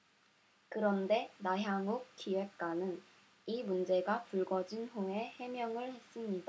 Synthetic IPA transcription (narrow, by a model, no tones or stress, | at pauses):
kɯɾʌnde̞naɦjaŋuk̚k͈iwe̞k̚k͈wanɯn | imund͡ʑe̞ɡapuɭɡʌd͡ʑinɦoŋe̞he̞mjʌŋɯɭhe̞s͈ɯmɲida